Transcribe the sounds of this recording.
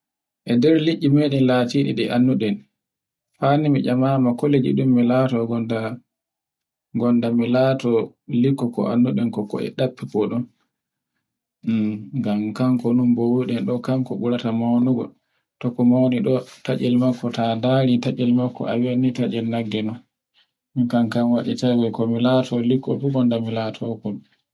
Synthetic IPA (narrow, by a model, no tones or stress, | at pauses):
ʔɛdɛɾliʔːimeɗɛnlatiɗiɗɛʔanːuɗɛn | fanimid͡ʒamamakoled͡ʒḭɗumːilatɔɡɔnda | ɡɔndamilatɔlikːɔkɔ̰ʔa̰nːuɗɛnkɔkɔ̰ɛ̰ɗapːipɔɗɔn | ŋɡamkaŋkɔnumbɔwuɗɛnɗɔkaŋkɔɓuɾatamawnuɡɔ̰ | tɔkɔmawniɗɔtat͡ʃɛlmakːɔtadaɾitat͡ʃɛlmakːɔ̰ʔawanitad͡ʒɛlnaɡːɛnɔn | mikankamwaɗitajwɛkɔmilatʰɔlikːɔ̰fuɡɔndamilatʰɔkɔn